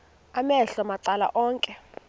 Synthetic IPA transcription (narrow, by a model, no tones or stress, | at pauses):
amɛɬɔmaǀala̰ʔɔːŋkʼɛ